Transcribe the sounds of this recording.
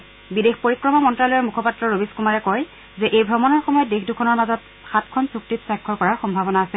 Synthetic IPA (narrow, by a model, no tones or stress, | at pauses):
bidexpoɹikɹɔmɔmɔntɹalɔjɔmukʰɔpatːɹɔɹobiskumaɹɛkɔj | zɛʔejbʱɔmɔnɔɹxɔmɔjɔt̚dexdukʰɔnɔɹmazɔt̚ | xatkʰɔnsuk̚titsakʰːɔɹkɔɹaɹxɔmbʱabɔnaːsɛ